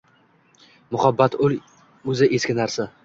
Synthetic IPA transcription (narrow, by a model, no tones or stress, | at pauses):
mʊhabːat̪ʊl | ɵzɪʔe̞skʲɪnaɾsa